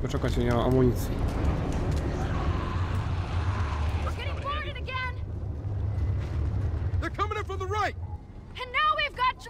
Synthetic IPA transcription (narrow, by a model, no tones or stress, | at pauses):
dɔt͡ʃɛkat͡ɕɛaa̰muɲit̪sji | jəɡɛɾɪ̃ŋfɔɹɾɨɾɨɡɛ̃n | ðə˞kʰʌ̃mɪ̃ŋʌtfʌ̃mðəɹaɪt̚ | ɨ̃nːaʊwivɡɑt